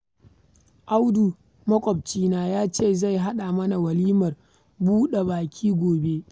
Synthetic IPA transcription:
ʔa˦wdu˨ | mɐ˦kʷʼɔ˨b̚t͡ʃiː˦naː˨jaː˦t͡ʃeː˦˨za˦˨jɦa˦ɗa˨mɐ˦na˨wɐ˨liː˦mɐ˨r | buː˦ɗe˨baː˨kʲʰiː˦ɡʷoː˨be˦

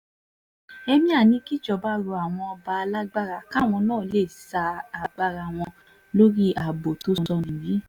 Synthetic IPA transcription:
ɛ˧mĩ˦a˦˨nĩ˨˦ki˦d͡ʒɔ˨˦ba˦ɾo˧˦a˨w̃ɔ̃˧ɔ˧ba˧˦a˧la˦ɡ͡ba˦ɾa˧˨ka˦˨w̃ɔ̃˧nãː˦˨le˦˨sa˧a˨ɡ͡ba˧ɾa˧w̃ɔ̃˧ | lo˦ɾi˦ʔa˨bo˨to˨˦˧ɔ˧˨nĩ˨bĩ˨˦

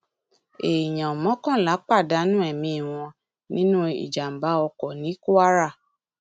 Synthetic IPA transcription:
e˨i˨jã˨ɔ˨mɔ̃˨˦kɔ̃˦˨la˨˦k͡pa˦˨da˨˦nũ˦ɛ˦˨mĩ˧˦i˨w̃ɔ̃˧ | nĩ˦nũ˦ḭ˨d͡ʒa˨m̩˨ba˨˦ɔ˧kɔ˨nĩ˨˦ku˦a˦ɾa˦˨

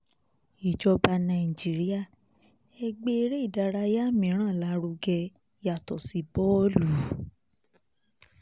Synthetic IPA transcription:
i˨d͡ʒɔ˧ba˧nã˧˨i˨d͡ʒi˦ɾi˦a˦˨ | ɛ˧ɡ͡be˦˧˦ɾe˦i˦˨da˧ɾa˧ja˦mĩ˨˦ɾ̃ã˦˨la˨˦ɾu˧ɡɛ˧ | ja˨tɔ˨si˨˦bɔ˦lu˨˦

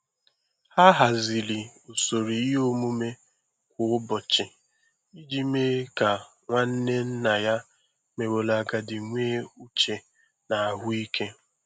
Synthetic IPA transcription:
ha˦ɦa˨zi˨li˨u˨so˨ɾi˨˦o˦mu˦me˦ | kʷʊ˨ʊ˦bɔ˨t͡ʃɪ˨ | i˦d͡ʒi˦me˦ka˨ | ŋʷa˦n̩˦ne˦n̩˦na˨ja˦ | me˨wo˨la˨ɡa˨dɪ˨ŋʷeː˦u˦t͡ʃe˨ | na˨a˨ɦʊ˦i˦kʰe˦

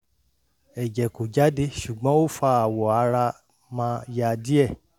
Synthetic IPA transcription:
ɛ˨d͡ʒɛ˨ko˨d͡ʒa˨˦de˧ʃu˨ɡ͡bɔ̃˨˦o˦˨fa˧˦a˨wɔ˨a˨˧˦ɾa˧ | mã˧˦ja˧di˦ɛ˦˨

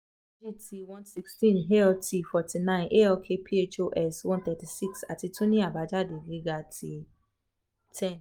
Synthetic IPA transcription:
d͡ʒi˦ti˧wɔ̃˦nsi˦kstĩ˦˨nɦe˦ɔ˧tʰi˧fɔ˨tʰi˨nã˦ɪ̃˨nʔe˦ɔ˧kʰe˧pʰi˦e˦t͡ʃo˦ʔɛ˦˨swɔ̃˦nt̪ɛ˨ti˨si˦˨ksa˨ti˧tũ˦nĩ˦a˨ba˨˦d͡ʒa˦˨de˨ɡi˨˦ɡa˨tʰi˧ | tʰɛ̃˦˨n

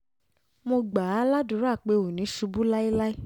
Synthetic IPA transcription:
mo˧ɡ͡ba˨a˨˦la˦du˨˦ɾa˦˨k͡pe˧o˨nĩ˨˦ʃu˧bu˦la˦i˦la˦i˦

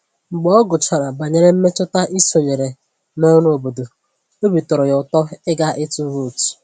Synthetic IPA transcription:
ŋ͡m̩˨ɡ͡bɔ˦ɡʊ˨t͡ʃa˨ɾa˨ba˨ɲe˨ɾe˦m̩˦me˦t͡ʃʊ˦ta˦ʔi˦so˨ɲe˨ɾe˨ | no˦nʊ˦o˨bo˨do˨ | o˦bi˨tʊ˨ɾʊ˨jʊ˨tɔ˦ɪ˦ɡa˦ʔɪ˦tu˦ɾu˦˨t

